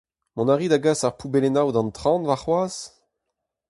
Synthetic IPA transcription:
mɔ̃naʁiːd̪aɡasaʁpubelenawd̪ɑ̃nt̪ʁɑ̃ːnvaʁχwaːs

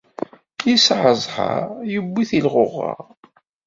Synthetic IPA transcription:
jisʕəzˤha̰ɾjəbːiθilʁʊʁːə̰ʁ

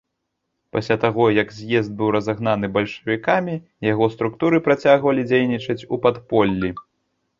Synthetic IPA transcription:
pasʲlʲat̪aɣɔjɐɡzʲjɛzd̪̚bɨwɾɐzaɣnanɨbɐlʲʂɐ̥vʲikamʲi | jaɣɔst̪ɾukt̪uɾɨpɾat͡sʲaɣvɐlʲid͡zʲejnʲit͡ʂɐt͡sʲupat̪pɔlʲːi

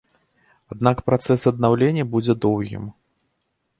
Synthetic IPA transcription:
ad̪̚nakpɾat̪sɛsɐd̪nawlʲenʲːɐbud͡zʲɛd̪ɔwɣʲḭm

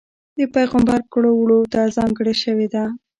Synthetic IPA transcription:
d̪əpajɣambɑɾkɽowɽot̪azɑŋɡəɽeʃəwed̪a

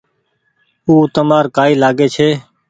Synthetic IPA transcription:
uːt̪əmaːɾkaːiːlaːɡeːt͡ʃʰeː

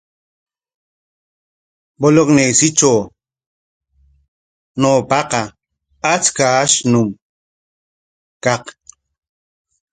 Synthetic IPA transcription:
boloknejsɪt͡ʃow | noːpɑqɑ | at͡skaaʃnʊm | kɑq

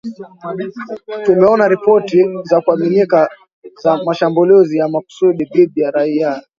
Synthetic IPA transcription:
tumɛɔnaɾipɔtizakuaminika | zamaʃambulizijamaku̥suɗiðiɓijaɾaia

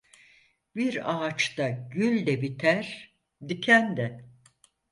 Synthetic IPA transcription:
biɾaːt͡ʃt̪aɟylʲd̪ɛbit̪ʰæɾ | d̪icʰænd̪ɛ

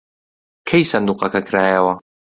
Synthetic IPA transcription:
kʰɐjsɐnd̪uqɐkɐkʰɾaːjɐwɐ

